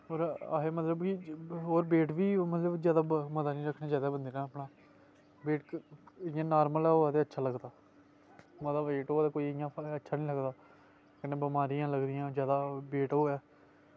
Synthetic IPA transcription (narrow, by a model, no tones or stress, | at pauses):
oːɾaːeːmət̪ləbkɪɦoːɾbeːʈʋiːmət̪ləbzjaːd̪aːməd̪aːnĩːɾəkʰːneːd͡ʒaːd̪aːbənd̪eːnãːəpɳaː | beːʈ | jãːnaːɾməlɛːɦoːɛːt̪eːətːʃʰaːləɡd̪aː | mət̪ləbeːʈɦoːt̪eːkoːijãːətːʃʰaːnĩːləɡd̪aː | kənẽːbəmaːɾijãːləɡd̪ɪjãːzjaːd̪aːbeːʈɦoːɛː